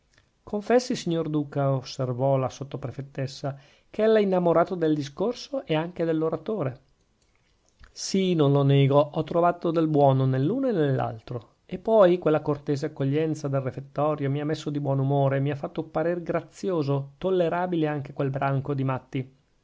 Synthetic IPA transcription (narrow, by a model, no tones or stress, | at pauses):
kʰoɱfɛsːisiɲːord̪uːkaosːervɔlasot̪ːopɾefet̪ːesːa | keɛlːainːamoɾaːt̪od̪eld̪is̬korsoʔeaŋked̪elːoɾat̪oːɾe | sinonloneːɡoʔɔt̪ːɾovaːt̪od̪elbwɔːnonelːuːnoenelːa̰lt̪ɾo | epːɔjkwelːakort̪eːzeakːoʎːɛnt̪sad̪elrefet̪ːɔːɾjomiamːesːod̪ibwɔnumoːɾemiafːat̪ːoupaɾeːrɡɾat̪sːjoːzot̪olːeɾaːbileaŋk̟ekwelbɾaŋkod̪imat̪ːi